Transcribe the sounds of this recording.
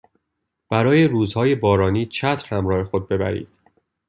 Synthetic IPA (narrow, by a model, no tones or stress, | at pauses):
b̥æɾɒːjeɾuːzhɒːjebɒːɾɒːniːt͡ʃʰæt̪ʰɾhæmɾɒːhe̞xod̪̚be̞bæ̰ɾḭːd̪̥